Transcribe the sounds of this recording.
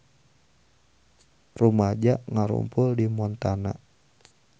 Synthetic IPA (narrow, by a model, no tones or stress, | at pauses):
rumad͡ʒaʔŋaɾṵmpʊldimɔnt̪ana̰